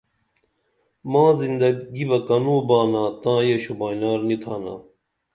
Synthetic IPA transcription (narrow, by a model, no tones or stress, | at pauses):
mãːzind̪ɐɡibɐkɐnũːbaːnãːt̪ãːjeɕubaːnaːɾnit̪ʰaːna̰ː